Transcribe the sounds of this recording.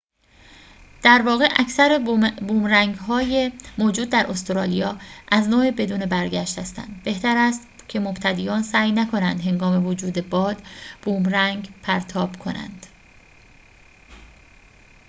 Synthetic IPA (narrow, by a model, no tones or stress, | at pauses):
d̪̥æɾvɒːɣeʔæcʰsæɾebuːmræŋɡɦɒːjemoːd͡ʒuːd̪ːæɾʔost̪oɾɒːlijɒːʔæznoːebe̞d̪uːnebæɾɟæʃt̪hæst̪æ̰nd̪be̞ht̪æɾæst̪ | cʰe̞mobt̪ʰæd̪iːjɒːnsæːjnækʰo̞nænd̪ɦe̞ŋɡɒːme̞vod͡ʒuːd̪ebɒːd̪̥b̥uːmɾæŋɡpʰæɾt̪ʰɒːb̥kʰo̞næ̰nd̪̥